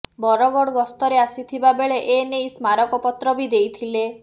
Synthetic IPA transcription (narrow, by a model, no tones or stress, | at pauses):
bɔɾɔɡɔɽɔɡɔst̪ɔɾeasit̪ʰibabeɭeʔenejsmaɾɔkɔpɔt̪ɾɔbid̪ejt̪ʰile